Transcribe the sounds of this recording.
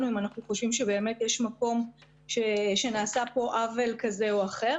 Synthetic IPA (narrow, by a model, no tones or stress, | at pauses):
nuimanaχnuχo̞ʃvimʃebe̞ːme̞tjeʃmako̞m | ʃeʃe̞naːsapo̞ʔavelkaze̞oaχe̞ʁ